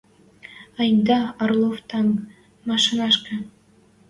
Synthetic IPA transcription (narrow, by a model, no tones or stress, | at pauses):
ɑjnd̪ɑɑrlˠoft̪ɑŋ | mɑʃɤnɑʃkɑ̆